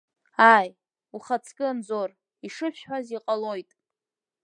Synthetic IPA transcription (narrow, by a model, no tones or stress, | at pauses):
aj | uχat͡sʰkʲʼɪand͡zor | iʂɨʃʃħʷᶣaziqʼalo̞jtʼ